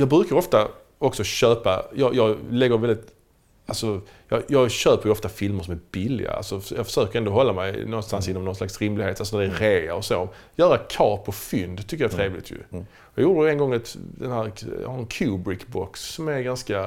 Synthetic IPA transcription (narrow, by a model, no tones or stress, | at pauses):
jɑːɡbɾʉ̟kaɾɔft̪a | ɔksɔɕøːpa̰jɑːjɑɡlɛɡːəɾvɛlɪt̪ | alsɔ | jɑjɑːɡɕøːpəɾjɔft̪afɪlməɾʂɔmæɾbɪlːɪ̰ɡa̰a̰lsɔjɑːfœ̥ʂøːkəɾɛnd̪oɔːɦɔlːamɛjnɔnst̪ansɪnːɔmnɔnslaksɾɪmlɪheːt̪alsɔnæd̪ɛɾeːaɔsoːɔm | jœːɾakʰɑːpʰɔfʏnd̪t̪ʰːʏkːəɾjɑæt̪ʰɾeːvlɪ̰t̪ʰjɵ̰ | jɑːɡjuːdəjɛnɡɔŋːɛt̪d̪ɛnhæːɾjɑ̰haɾɛnkʰʉːbɾɪkbɔksːɔmæɾɡanska